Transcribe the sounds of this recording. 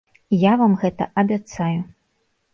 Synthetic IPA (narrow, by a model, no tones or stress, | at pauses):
javamɣɛt̪ɐ̰ʔɐbʲat̪saju